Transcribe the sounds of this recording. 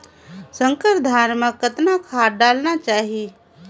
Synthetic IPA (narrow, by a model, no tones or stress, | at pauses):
sə̃ŋkəɾd̪ʱaːɾməkət̪nakʰaːɖaːlnat͡ʃaːɦie